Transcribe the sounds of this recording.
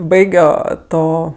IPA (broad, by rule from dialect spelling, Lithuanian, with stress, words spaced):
ˈbɐɪɡʲoː ˈtoː